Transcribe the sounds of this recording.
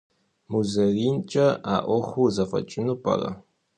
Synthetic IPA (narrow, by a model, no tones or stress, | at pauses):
muzɐriːnt͡ʃʼɐaːʔʷɔχʷuzɐfɐ̰t͡ʃʼɪnupʰʼɐ̰rɐ̰